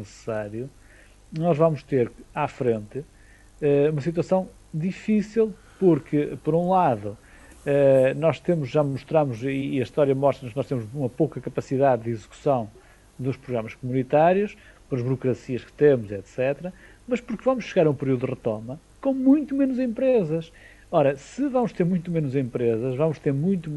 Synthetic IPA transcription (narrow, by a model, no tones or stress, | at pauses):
nɨsɨ̥saɾju | nɔʒvamʊʃt̪eɾafɾẽnt̪ɨ | ɛumɐsit̪wɐsɐ̃w̃ | d̪ifisilˠ | puɾkʰɨpɔɾũlˠaðu | ɛnɔʃt̪emuʒʒamuʃt̪ɾamuziːɐiʃt̪ɔɾjɐmɔʃt̪ɾɐknɔʃt̪emuʒumɐpowkɐkɐpɐsiðaððizɨku̥sɐ̃w̃ | d̪uʃpɾuɣɾamɐʃkumunit̪aɾjuʃ | pɔɾɐʒβuɾukɾɐsiɐʃkɨ̥t̪emuzɛt̪sɛt̪ɾɐ | mɐʃpuɾkvɐmʊʃʃɨɣaɾɐũpɨɾiðuðɨʁɨt̪omɐ | kõw̃mũj̃t̪umenuzẽmpɾezɐʃ | ɔɾɐsɨvɐmʊʃt̪eɾmũj̃t̪umenuzẽmpɾezɐʒvɐmʊʃt̪eɾmũj̃t̪u